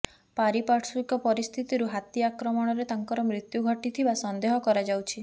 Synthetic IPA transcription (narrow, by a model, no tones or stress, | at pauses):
paɾipaɾʈswikɔpɔɾist̪ʰit̪iɾuɦat̪jiakɾɔmɔɽ̃ɔɾet̪aŋkɔɾɔmɾit̪juɡʱɔʈit̪ʰibasɔnd̪eɦɔkɔɾad͡ʒawt͡ʃʰi